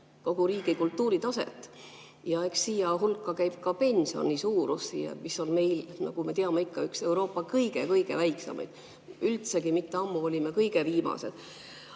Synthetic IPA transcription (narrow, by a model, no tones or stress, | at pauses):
ko̞ɡ̥uɾiːɡ̥ikult̪ˑːuːɾit̪ɑsḛt̪ːˑ | jɑe̞ksːiːjɑɦulkːˑɑkæjb̥̚kɑpe̞nʲsio̞̰nʲisuːɾusḭḛmisːo̞lme̞jlnɑ̰ɡ̥ume̞t̪eɑmeikːɑykse̞wɾo̞ːpːˑɑkɤjɡekɤjɡ̥e̞̰væjksɑ̰mʔɑ̰jd̪̥ | ylt̪se̞ɡimit̪ːeɑmːuo̞lʲimekɤjɡ̥eviːmɑ̰se̞̰d̪̥